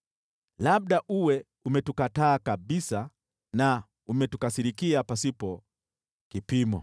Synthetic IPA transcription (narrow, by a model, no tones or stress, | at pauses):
laɓ̚ɗaʔuwɛ | umɛtukataːkaɓisa | na | umɛtukasiɾikiapasipɔ | kipimɔ̰